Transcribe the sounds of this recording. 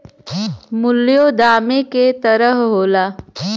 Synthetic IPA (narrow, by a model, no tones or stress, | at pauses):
mʊlːjod̪aːmeket̪ɐɾəɦɦoːlaː